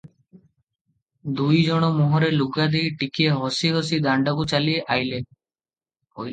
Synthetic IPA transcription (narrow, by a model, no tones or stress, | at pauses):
d̪ujd͡ʒɔɽ̃omuɦɔɾeluɡad̪ijʈikieɦosiɦos̬id̪aɳɖakut͡ɕalieʔajle | oj